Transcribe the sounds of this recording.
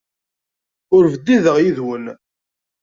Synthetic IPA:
ʊɾvəd̪ːiðəʁjiðwən

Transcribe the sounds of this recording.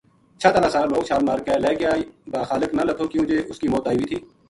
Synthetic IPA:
t͡ʃʰat̪ənaːsaːloːɡt͡ʃʰaːlmaːɾkɛːlɛːkjaːbaːxaːlɪknalət̪ʰoːkjũːd͡ʒeːʔʊskiːmoːt̪aːiːʋiːt̪ʰiː

